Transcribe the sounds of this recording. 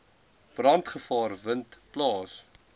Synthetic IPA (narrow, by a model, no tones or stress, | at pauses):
b̥rɐntχəfɑːrvəntplɑːs